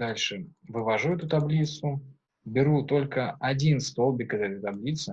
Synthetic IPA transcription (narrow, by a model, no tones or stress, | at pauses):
d̪alʲʂɨvɨvɐʐuɛt̪ʊt̪ɐblʲit̪sʊ | bʲɪɾut̪o̞lʲkəɐdʲinst̪o̞lˠbʲɪkɛt̪əɛt̪əjt̪ɐblʲit̪sɨ